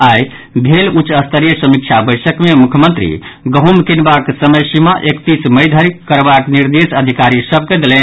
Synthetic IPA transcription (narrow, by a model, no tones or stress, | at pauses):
aj | bʱelut͡ʃəst̪ʰəɾijəsəmik̚t͡ʃʰabəjsəkmemukʰjəmənt̪ɾḭ | ɡəɦumkinbaksəməjsimaʔekt̪isməjd̪ʱəɾikəɾbakniɾd̪esəd̪ʱikaɾisəb̚ʱked̪elɛn